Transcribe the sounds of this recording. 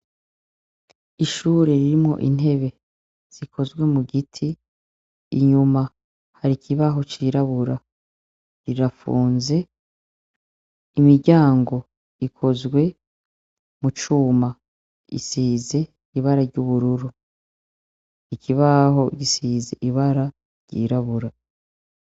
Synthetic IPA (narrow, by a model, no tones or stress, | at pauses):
iʃuːɾe̞ɾiɾimŋo̞̰ʔḭn̥ɦe̞βe̞ | z̥ikʰo̞zɡwe̞muɡitʰiː | ɲuma | haɾikʰiβaɦo̞t͡ʃiɾaβuɾa | ɾiɾafṵːnze̞ | imiɾɟaːŋɡo̞ | ikʰo̞zɡwe̞ | mut͡ʃuːma | ḭsiːze̞ | iβaɾaɾɟuβuɾuɾu | ikʰiβaho̞ɡisiːze̞̰ʔiβaɾa | ɾɟ̥ḭːɾaβuɾa